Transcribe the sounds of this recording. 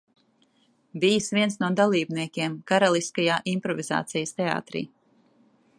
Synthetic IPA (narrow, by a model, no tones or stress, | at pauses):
bijsvʲiɛnsnuɔd̪alˠiːbniɛkʲeɛmkaɾalˠiskajaːʔimpɾɔviza̰ːt̪sijəst̪ea̰ːt̪ɾḭː